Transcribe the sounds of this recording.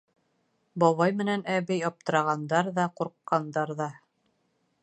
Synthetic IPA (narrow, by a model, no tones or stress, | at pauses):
bɒβɑjmɘ̆nænæβɘjɒp̚t̪ɤ̆ɾɑʁɑnd̪ɑɾðɑquɾqːɑnd̪ɑɾðɑ